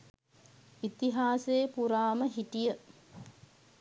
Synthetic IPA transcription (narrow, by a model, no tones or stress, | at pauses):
it̪iɦaːseːpuɾaːməɦiʈijə